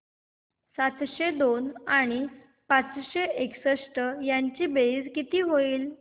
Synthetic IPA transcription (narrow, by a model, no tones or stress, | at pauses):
sat̪ɕed̪onaɽ̃i | pat͡sɕeʔeksəʂʈəjaɲt͡ɕiːbed͡zkit̪iːɦoiːl